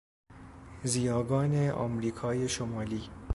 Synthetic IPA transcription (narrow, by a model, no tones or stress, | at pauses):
ziːjɒːɡɒːneʔɒ̰ːmɾiːkʰɒːje̞ʃomɒːliː